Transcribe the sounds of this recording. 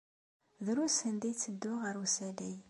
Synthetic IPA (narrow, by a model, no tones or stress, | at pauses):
ðɾusənd̪it͡sːəd̪ːʊʁəɾusædæj